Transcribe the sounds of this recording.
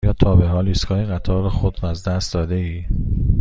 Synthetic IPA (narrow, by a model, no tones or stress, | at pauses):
jɒːt̪ʰɒːbeɦɒːliskʰɒːjeɣæt̪ʰɒːɾɒxod̪ɾæzd̪æst̪̚d̪ɒːd̪eiː